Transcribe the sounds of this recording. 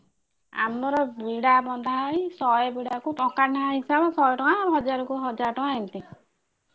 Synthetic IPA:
a̰mlɔɾɔbiɽabɔnd̪ʱajsɔjɔbiɽakuʈɔkanaaɦisabɔsɔjɔʈɔaːɾɦɔd͡ʒaɾɔkuɦɔd͡ʒaɾɔʈɔaint̪i

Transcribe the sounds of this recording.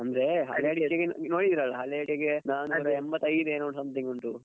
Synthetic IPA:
ɐnd̪ɐɾeɦɐ̰ljjaːɽiaɡennoːɽid̪iɾɐɭːɐɦɐljaːɽiaɡenaːnuɾeembɐt̪ːɐjd̪ueːnoːɳsɐmt̪iŋɡuɳʈu

